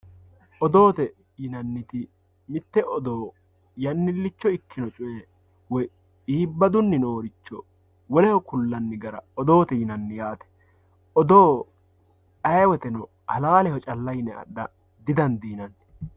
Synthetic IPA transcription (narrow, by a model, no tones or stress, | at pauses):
ʔɔd̪oːt̪ɛ | jɪnɐnːɪt̪ɪ | mɪt̪ːɛʔɔd̪oː | jɐnːɪlːɪt͡ʃːɔɪkːɪnɔt͡ʃʼʊje | wɔj | iːbːɐd̪ʊnːɪnoːɾɪt͡ʃːɔ | wɔlɛhɔkʊlːɐnːɪɡɐɾɐ̰ɔd̪o̞ːt̪ɛjɪnɐnːɪjaːt̪ɛ̥ | ɔd̪oː | ɐjwɛt̪ɛnɔ | hɐlaːlɛhɔt͡ʃʼɐlːɐjnɛɐ̰ɗɐ | d̪ɪd̪ɐnd̪iːnɐnːɪ